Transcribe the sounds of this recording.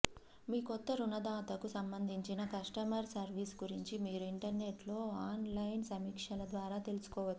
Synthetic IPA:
miːkɔt̪ːɐɾunɐd̪aːt̪ɐkusɐmbɐnd̪ʱiɲt͡ʃinɐkɐʂʈɐmɐɾsɐɾʋiːsɡuɾiɲt͡ʃimiːɾuiɳʈɐɾne̞ʈlo̞ːaːnlɐjnsɐmiːkʂɐlɐd̪ʋaːɾaːt̪e̞lusu̥kɔːʋɐt͡ʃ̪ːi

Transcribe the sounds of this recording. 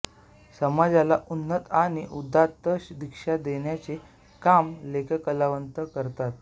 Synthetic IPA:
səmad͡zalaʔunːət̪añiʔud̪at̪ːəɕd̪ikʂad̪eɳjat͡se | kamlekʰəkəlaʋənt̪əkəɾt̪at̪̚

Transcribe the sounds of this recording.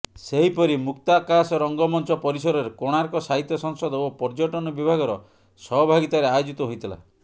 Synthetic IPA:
seɦipɔɾimukt̪akasɔɾɔŋɡɔmɔnt͡ʃɔpɔɾisɔɾɔɾekoɽ̃aɾkɔsaɦit̪jɔsɔŋsɔd̪ɔopɔɾd͡ʒɔʈɔnɔbibʱaɡɔɾɔ̰ | sɔɦɔbʱaɡit̪ɔɾeajod͡ʒit̪ɔɦojt̪ʰila̰

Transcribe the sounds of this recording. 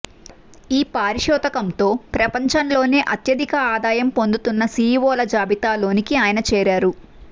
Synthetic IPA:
iːpaːɾiʃɔːt̪ɐkɐmt̪o̞ːpɾɐpɐɲt͡ʃɐnlo̞ːne̞ːʔɐt̪jɐd̪ʱikɐaːd̪aːjɐmpo̞nd̪ut̪unːɐsiːʋɔːlɐd͡ʒaːbit̪aːlo̞ːnikiaːjɐnɐt͡ʃɛːɾaːɾu

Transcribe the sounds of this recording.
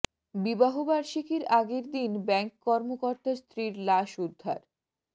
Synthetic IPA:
bibaɦobaɾʃikeɾaɡeɾd̪inbɛŋkkɔɾmokoɾt̪ast̪ɾiɾlaʃud̪ʱːa̰ɾ

